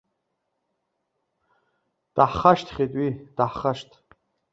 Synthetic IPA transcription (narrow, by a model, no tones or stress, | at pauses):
d̥aħχaʃtʰʼχʲet̪ʼwid̥aħχaʃtʰ